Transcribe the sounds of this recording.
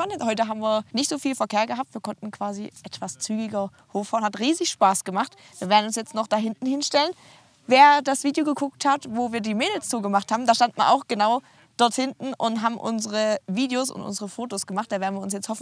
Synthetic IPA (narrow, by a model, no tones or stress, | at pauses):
anəhɔʏtəɦaːbm̩viːɐnɪçtz̥oːfiːlfɛɐkʰeːɐɡəɦap̚tv̥iːɐkʰɔntn̩kv̥aːziʔɛtv̥ast͡syːɡɪɡɐ | hoːfaːɐnhatʁiːzɪçʃpaːsɡ̥əmaχt | v̥iːɐveːɐdn̩ʊnsjɛt͡stnɔχd̥aɦɪntn̩hɪnʃtɛlən | veːɐdasv̥iːdjoɡəɡʰʊk̚thatvoːviːɐdiːmeːdl̩sz̥uːɡəmaχthaːbm̩daːʃtantmaɐʔaʊxɡ̥ənaʊ | d̥ɔɐthɪntn̩ʔʊntɦaːbm̩ʔʊ̰nzəʁəviːdjosʊ̰ntʔʊ̰nzəʁəfoːtosɡ̥əmaχtd̥aːveːɐn̩viːɐʊns̬jɛt͡sthɔfn̩